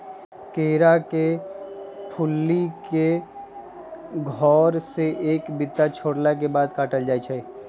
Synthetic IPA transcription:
keːɾake | ʈʰʊlːike | ɡʱɔːɾseʔeːkbɪt̪ːat͡ʃʰoːɽlak̬ebaːd̪kaːʈəld͡ʒaːit͡ʃʰɛi

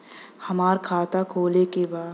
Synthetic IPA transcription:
hɐmaːɾkʰaːt̪akʰoːlekebaː

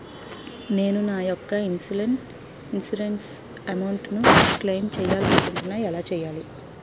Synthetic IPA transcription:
ne̞ːnunaːjɔkːɐinsileɳʈ | insiɖens | ɐmɐwɳʈnuklejnt͡ʃɛːjaːlɐnɐkuɳʈunːaːɛlaːt͡ʃɛːjaːli

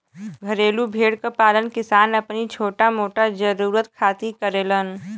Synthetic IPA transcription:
ɡʱəɾeːlubʱeːɽkapaːlənkɪsaːnəpnit͡ʃʰoːʈamoːʈad͡ʒəɾuːɾət̪kʰaːt̪ikəɾeːlən

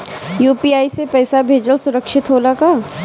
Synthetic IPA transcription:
juːpiːaːisepɛːsabʱeːd͡ʒəlsʊɾəkʃɪt̪ɦoːlakaː

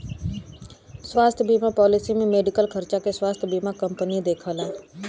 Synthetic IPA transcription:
swaːst̪ʰbiːmapɔːlɪsimẽmeːɖɪkəlkʰəɾt͡ʃakeswaːst̪ʰbiːmakɐ̃mpənid̪eːkʰəlãː

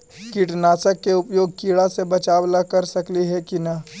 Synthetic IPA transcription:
kɪʈnaːsəkːeʊpjoːɡ̚kiːɭasebɐt͡ʃaːwlakɐɾsɐkliɦɛkinɐ

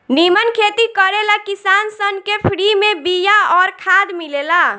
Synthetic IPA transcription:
nimənkʰeːt̪ikəɾelakisaːnsənkepʰɾimẽbijaɔːɾkʰaːd̪milela

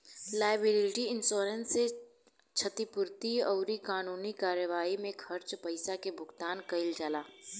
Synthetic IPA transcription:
laːɪbɪlɪɪʈiɪnsɔːɾensːe | t͡ʃʰət̪ipʊɾt̪iɔʊɾikaːnuːnikaːɾjəʋaːimẽkʰɐɾt͡ʃpɐɪsakebʱʊɡt̪aːnkɐɪld͡ʒalaː

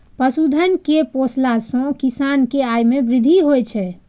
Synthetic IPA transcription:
pəsud̪ʱənkeposlasɔ̃kisankeajmebɾid̪ʱiɦojt͡ʃʰɛ

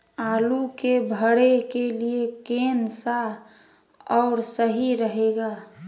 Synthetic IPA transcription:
aːlukebʱəɽekeliekeːnsa | ɔːɾsəɦiɾəɦeɡaː

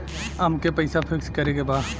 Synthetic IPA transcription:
əmkepəɪsapʰɪkskəɾekeba

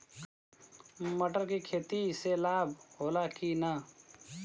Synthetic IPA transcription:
məʈəɾkikʰeːt̪iselaːbʱɦoːlakina

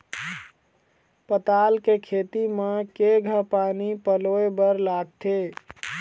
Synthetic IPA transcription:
pət̪aːlkekʰeːt̪imekeɡʱəɦpaːnipəloebəɾlaɡ̚t̪ʰe

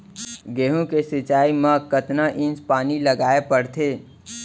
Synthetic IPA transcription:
ɡeːɦõkesɪt͡ʃaːimãkət̪naʔɪ̃nspaːniləɡaːepəɽt̪ʰeː

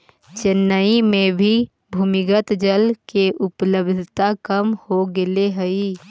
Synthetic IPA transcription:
t͡ʃɪnːəimẽbʱi | bʱuːmɪɡət̪d͡ʒəlkeʔʊpləbd̪ʱɪt̪akəmhoɡɪleɦəi

